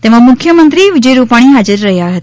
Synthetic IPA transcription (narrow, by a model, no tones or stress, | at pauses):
t̪emãmʊkʰjəmənt̪ɾiʋɪd͡ʒəjɾupaɽ̃iɦad͡ʒəɾːəɦjaɦət̪ḁ